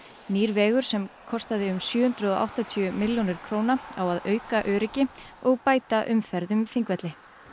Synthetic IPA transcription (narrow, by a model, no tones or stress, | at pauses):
niːɾvɛːɣʏɾ̥sɛmkʰɔst̪aðɪʏmsjʏːhʏnt̪ɾʏðɔʔa̰wht̪at̪ʰyʏmɪljonɪɾ̥kʰɾoːwnaawaðœːɥkaʔœːɾɪcɪ | ɔɣpaːjt̪aʔʏmfɛɾðʏmθiŋkvɛt̪lɪ